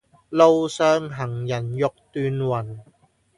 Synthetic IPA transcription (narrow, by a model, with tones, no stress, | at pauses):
lo˥wsœː˥ŋɦɐ˨˩ŋjɐ˨˩njʊ˨k̚t̪yː˧nwɐ˨˩n